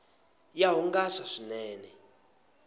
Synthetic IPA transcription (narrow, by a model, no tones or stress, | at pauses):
jaɦuŋɡasaʂinɛːnɛ